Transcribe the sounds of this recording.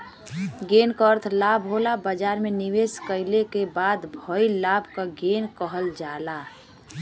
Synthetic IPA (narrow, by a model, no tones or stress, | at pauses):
ɡeːnkəɾt̪ʰlabʱɦolabəd͡ʒaːɾmeniʋeːskəɪlekebaːd̪bʱɔilabʱkaɡeːnkəɦəld͡ʒaːla